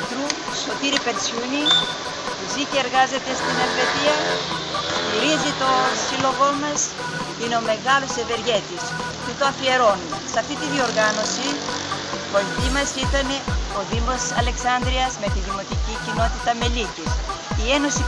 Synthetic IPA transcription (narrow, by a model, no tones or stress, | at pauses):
t̪ɾu | so̞t̪iɾipe̞ɾt͡suni | iziceeɾɣɐze̞t̪e̞st̪ine̞lve̞t̪iɐ | st̪iɾizit̪o̞silo̞ɣo̞mɐs | ineo̞me̞ɣɐlo̞seve̞ɾʝet̪is | t̪ut̪oɐfie̞ɾo̞nusɐft̪it̪iðio̞ɾɣɐno̞si | poit̪imɐsit̪ɐneoðimo̞sɐ̰le̞ksɐnd̪ɾiɐzme̞t̪iðimo̞t̪icicino̞t̪it̪ɐme̞licisieno̞si